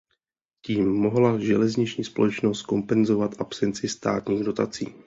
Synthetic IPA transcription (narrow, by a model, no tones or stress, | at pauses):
ciːmːo̞ɦlaʒɛlɛzɲɪt͡ʃɲiːspo̞̰lɛt͡ʃno̞st̪̚ko̞mpɛnzo̞vat̪ʔapsɛnt͡sɪst̪a̰ːt̪ɲiːɣdo̞t̪at͡sḭː